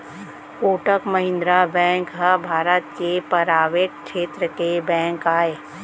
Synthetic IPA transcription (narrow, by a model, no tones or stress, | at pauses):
koːʈəkmɐɦɪ̃nd̪ɾabɛ̃ːŋkɦəbʱaːɾət̪kepɐɾaːʋeːʈ̚kʃeːt̪ɾəkebɛ̃ːŋkaːeː